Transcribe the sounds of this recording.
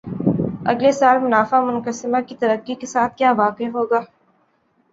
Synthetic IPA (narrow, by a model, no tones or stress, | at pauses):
ɐ̰ɡlesaːlmʊnaːfamʊnqəsɪmakit̪ɐɾəqːikesaːt̪̚ʰkjaːʋaːqeɦoːɡaː